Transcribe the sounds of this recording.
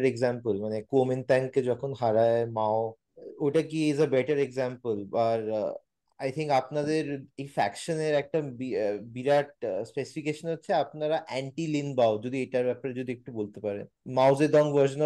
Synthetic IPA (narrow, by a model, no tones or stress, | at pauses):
ɾeɡzampəlmanekoment̪ɛ̃ŋked͡ʑɔkʰonɦaɾaemao | ojʈak̬iːzebeʈəɾeɡzampəlaɾ | ajt̪ʰiŋkapnad̪eɾejfɛkʃəneɾɛk̚ʈabibiɾaʈ̚spesi̥fikeʃənɦotːɕʰeapnaɾaʔɛɳʈilinbaod͡ʒod̪ʱieʈaɾbɛpaɾed͡ʑod̪iek̚ʈubolt̪epaɾḛ | mawzed̪ɔ̃ŋʋəɾʃən